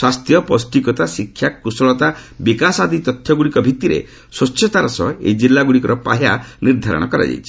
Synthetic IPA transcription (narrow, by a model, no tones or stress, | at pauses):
swast̪jɔpɔsʈikɔt̪asikʰːjakːusɔɭɔt̪abikasad̪ʱit̪ɔt̪ʰjɔɡuɽikɔbʱit̪iɾḛ | swɔtːʰɔt̪aɾɔsɔ̰ḛd͡ʒilːaɡuɽikɔɾɔpa̰ɦjaniɾd̪ʱaɾɔ̰ɽ̃ɔkɔɾa̰d͡ʒa̰jt͡ʃʰi̥